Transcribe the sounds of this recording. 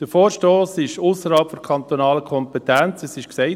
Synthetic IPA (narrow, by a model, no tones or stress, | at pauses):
d̥əɾfoːɾʃtoːsɪʃusəɾhɑlpfɔɾkʰɑnt̪onɑːləkʰɔmpɛtɛnt͡sɛsɪʃksɛɪ